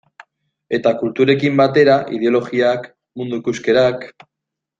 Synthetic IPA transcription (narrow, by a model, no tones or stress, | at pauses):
e̞t̪akult̪uɾe̞kimbat̪e̞ɾaʔḭð̞eo̞lo̞ɣiak | mund̪uikuske̞ɾak